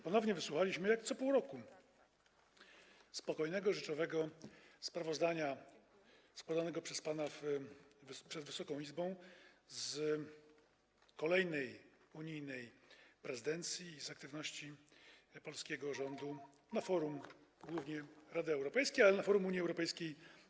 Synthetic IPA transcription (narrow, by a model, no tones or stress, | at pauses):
pɔnɔvɲɛvɘswuxalʲiɕmɘjakt̪sɔpuwɾɔku | spɔkɔjnɛɡɔʐɛt͡ʂɔvɛɡɔspɾavɔzd̪aɲa | spwad̪anɛɡɔpʂɛspanav | pʂɛd̪vɘsɔkɔ̃w̃izbɔ̃w̃z | kɔlɛjnɛjuɲijnɛjpɾɛzɨd̪ɛnt̪sʲjiːzak̚t̪ɘvnɔɕt͡ɕi | pɔlskʲɛɡɔʐɔnd̪u | nafɔɾumɡwuvɲɛɾad̪ɘɛwɾɔpɛjskʲejalɛnafɔɾumuɲjiɛwɾɔpɛjskʲej